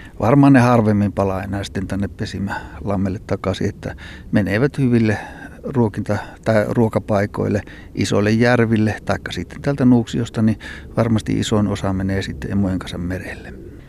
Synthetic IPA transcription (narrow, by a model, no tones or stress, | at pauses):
ʋɑrmɑhɑnnehɑrʋemːimpɑlɑinɑˑist̪ent̪ænːeppesimælɑmːelːet̪t̪ːɑkɑsḭet̪ːæ̰meneʋæt̪hyʋilːeruokint̪ɑt̪ɑruokɑpɑˑiko̰ilːˑe | ʔiso̰lːejjærʋilːet̪ɑˑikːɑsiˑt̪ːent̪æːlt̪ænuːksiost̪ɑniʋɑrmɑst̪ḭʔḭsoinosɑmeneːsit̪ːḛḛmojeŋkɑnsɑmmerelːe